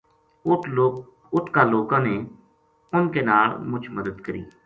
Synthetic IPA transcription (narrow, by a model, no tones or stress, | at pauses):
ʊt̪ʰkaːloːkãːneː | ʊnkeːnaːlmʊt͡ʃʰməd̪əd̪kəɾḭː